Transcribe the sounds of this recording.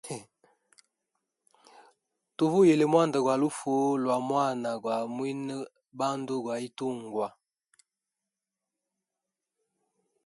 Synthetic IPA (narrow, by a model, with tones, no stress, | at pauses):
tu˨vu˦je˨le˨mwa˦nda˨ɡwa˨lu˦fo˨˦lwa˨mwa˦˨na˨ɡwa˨mwi˦nə˦ | ba˦ndo˦ɡwa˨i˦tu˦ŋ˨ɡwa˨